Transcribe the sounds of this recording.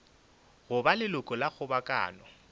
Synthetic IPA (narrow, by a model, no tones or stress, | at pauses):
ɣʊbalɪlʊkʼɔlaɣʊbakʼa̰ːnɔ